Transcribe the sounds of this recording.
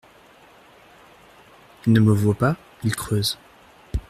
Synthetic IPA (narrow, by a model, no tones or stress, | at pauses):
ilnəməvwapa | ilkχøːz